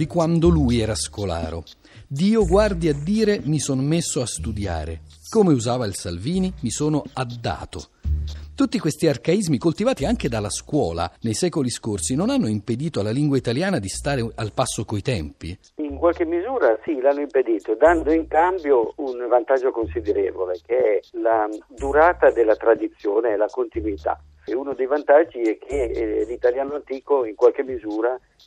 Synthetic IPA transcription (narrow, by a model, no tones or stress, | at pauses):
d̪ikwand̪olujɛːɾaskola̰ːɾo̰ | d̪iːoɡward̪iad̪ːiːɾemisonmesːoast̪ud̪ja̰ːɾḛ | koːmeuzaːvailsa̰lviːnimisoːnoad̪ːa̰ːt̪o̰ | t̪ut̪ːikwest̪iarkaizmikolt̪ivaːt̪iaŋk̟ed̪alːaskwɔːla̰nejsɛːkoliskorsinonanːoimped̪iːt̪oalːaliŋɡwait̪aljaːnad̪ist̪aːɾealpasːokoit̪ɛmpḭ | iŋkwalk̟emːizuːɾasilanːoimped̪iːt̪od̪and̪oiŋkambjounvant̪ad͡ʒːokonsid̪eɾḛːvolekeɛlad̪uɾaːt̪ad̪elːat̪ɾad̪it̪sːjoːneɛlakont̪inwit̪a̰ | unod̪ejvant̪ad͡ʒːiɛkʰːelit̪aljaːnoant̪iːkoiŋkwalk̟emːizuːɾa